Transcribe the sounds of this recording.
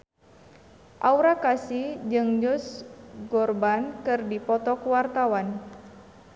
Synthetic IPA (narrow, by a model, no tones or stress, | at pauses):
ʔauɾakasid͡ʒɨŋd͡ʒʊsɡɔrbankɨrdipɔt̪ɔkuwart̪awan